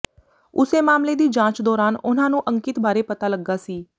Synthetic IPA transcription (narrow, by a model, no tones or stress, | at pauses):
ʊseːmaːmleːd̪iːd͡ʒãːt͡ʃd̪ɔːɾaːnʊnãːnũːʔəŋkɪt̪baːɾeːpət̪aːləɡːaːsiː